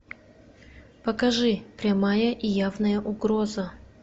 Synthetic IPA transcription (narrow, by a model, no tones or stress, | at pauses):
pəkɐʐɨpɾʲɐmajəʔijavnəjəʔʊɡɾozə